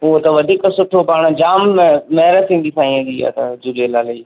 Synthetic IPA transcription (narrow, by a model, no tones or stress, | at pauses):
ʊɦot̪ɐʋɐd̪ʱiːksʊʈʰopaːɽ̃d͡ʑaːmːɛɦɾət̪ʰĩːn̆d̪isʰãːĩẽd̪iːa̰ːt̪ɐd͡ʒʊɾelaːlɐiː